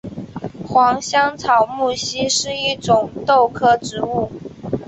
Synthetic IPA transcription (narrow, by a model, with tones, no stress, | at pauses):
xwɑ˧˥ŋɕjɑ˥ŋt͡sʰɑ˨˩ʊmu˥˩ɕi˥ʂɻ̩˥˧i˥˩ʈ͡ʂʊ˨˩ŋt̪o˥˩˧ʊkʰɤ˥ʈ͡ʂɻ̩˧˥u˥˩